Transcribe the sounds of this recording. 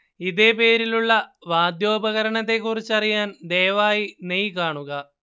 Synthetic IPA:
iðe̞ːpe̞ːɾiluɭːɐʋaːd̪jo̞ːbɐɣɐɾɐɳɐt̪̬ːe̞kːurit͡ɕːɐrijaːnd̪eːʋaːjinejkaːɳuɣɐ

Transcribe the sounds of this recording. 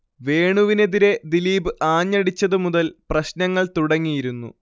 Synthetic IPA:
ʋe̞ːɳuʋine̞ðiɾe̞d̪iliːbɨʔaːɲːɐɽit͡ɕːɐðɨmuðɐlprɐɕnɐŋːɐɭt̪uɽɐŋːijiɾunːṵ

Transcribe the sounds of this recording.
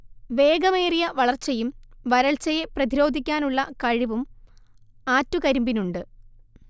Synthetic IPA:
ʋe̞ːɡɐme̞ːrijɐʋɐɭɐrt͡ɕːɐjumʋɐɾɐɭt͡ɕːɐje̞prɐðiɾo̞ːd̪ʱikʲːaːnuɭːɐkɐɻiʋum | aːtːukɐɾumbinuɳɖɨ

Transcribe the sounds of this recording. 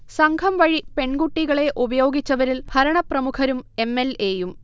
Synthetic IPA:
sɐŋɡʰʱɐmʋɐɻipe̞ɳɡuʈːiɣɐɭe̞ʔubɐjo̞ːɡit͡ɕːɐʋɐɾilbʱɐɾɐɳɐprɐmukʰɐɾume̞mːeleːjum

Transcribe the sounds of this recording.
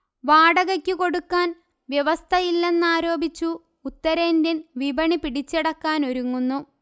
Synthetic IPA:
ʋaːɽɐɣɐkʲːɨko̞ɽukːaːn | ʋjeʋɐst̪ʰɐjilːe̞nːaːɾo̞ːbit͡ɕːuː | t̪ːɐɾendenʋibɐɳipiɽit͡ɕːeɽɐkːaːno̞ɾuŋːunːu

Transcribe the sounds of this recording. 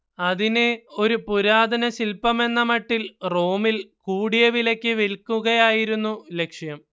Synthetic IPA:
ɐðineo̞ɾupuɾaːd̪ɐnɐsilpɐme̞nːɐmɐʈːilro̞ːmilkuːɽijɐʋilɐkʲːɨʋilkːuɣɐjaːjiɾunːule̞kʂjɐm

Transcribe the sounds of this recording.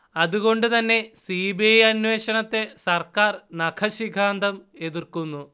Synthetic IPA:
ɐðuɣo̞ɳɖɨt̪ɐnːe̞siːbiɐjɐnwe̞ːɕɐɳɐt̪ːe̞sɐrkaːrnɐkʰɐɕiɡʱaːnd̪ɐme̞ðirkunːu

